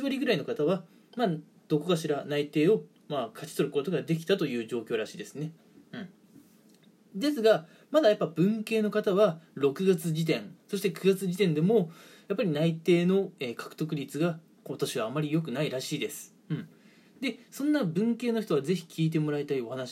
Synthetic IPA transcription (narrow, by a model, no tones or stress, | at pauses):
iβaɾʲiɡɯ̟ɾaino̞kat̪aβa | ma | d̪̥o̞ko̞kaɕiɾanait̪e̞ːo̞ | makʰat͡ɕi̥t̪o̞ɾɯ̟ko̞t̪o̞ɡad̪e̞kʲi̥t̪at̪o̞jɯ̟ːʑo̞ːkʲo̞ːɾaɕiːd̪e̞sɨne̞ | ɯ̟̃ɴ | d̪e̞sɨɡa | mad̪ajapːabɯ̟̃ŋke̞ːno̞kat̪aβ̞aɾo̞kɯ̟ɡat͡sɨd͡ʑit̪ẽ̞ŋso̞ɕi̥t̪e̞kɯ̟ɡat͡sɨʑit̪ẽ̞nd̪e̞mo̞japːaɾʲinait̪e̞ːno̞e̞ːkḁkɯ̟̥t̪o̞kɯ̟ɾʲit͡sɨɡa | kat̪aɕiβaːmːaɾʲijo̞k̬ɯ̟naiɾaɕiːd̪e̞sɨ̥ | ɯ̟̃ɴ | d̪e̞sõ̞nːabɯ̟̃ŋke̞ːnoçi̥t̪o̞βaze̞çi̥kʲʰiːt̪̬e̞mo̞ɾait̪aio̞hanaɕi̥